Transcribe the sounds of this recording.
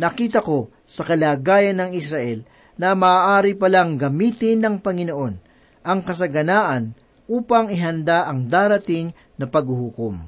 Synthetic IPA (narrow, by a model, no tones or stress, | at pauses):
nɐkiːt̪ɐko̞ | sɐkɐlaːɡaːjɐnːɐŋɪsɾɐʔɛl | nɐmaaːʔaːɾipɐlaŋɡɐmiːt̪ɪnːɐŋpɐŋɪno̞ʔo̞n | ʔɐŋkɐs̬ɐɡɐnaːʔɐn | ʔuːpɐŋɪɦɐnd̪aʔɐŋd̪aːɾɐt̪ɪŋ | nɐpɐɡhuhukom